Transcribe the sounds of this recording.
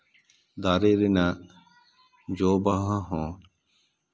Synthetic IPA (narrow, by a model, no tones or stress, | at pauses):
d̪aɾeɾɛna | d͡ʒobaɦãɦɔ̃ː